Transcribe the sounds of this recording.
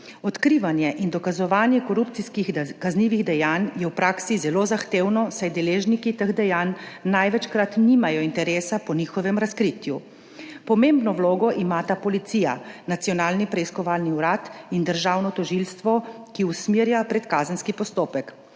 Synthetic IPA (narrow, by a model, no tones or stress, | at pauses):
ɔt̪kɾiːʋanjɛʔind̪ɔkazɔʋaːnjɛkɔɾupt̪siskixkazniːʋiɣd̪ɛjaːnjɛwpɾaːksizɛloːzaxt̪eːwnɔsajd̪ɛleːʒnikit̪əɣd̪ɛjanːajʋɛt͡ʃkɾat̪niːmajɔint̪ɛɾeːsapɔniːxɔʋɛmɾaskɾit̪ju | pɔmembnɔwloːɡɔʔimat̪apɔlit̪siːja̰nat̪sijɔnaːlnipɾɛiskɔʋaːlniuɾaːt̪ind̪əɾʒawnɔt̪ɔʒilst̪ʋɔkiusmiɾjapɾɛt̪kaːzənskipɔst̪oːpɛk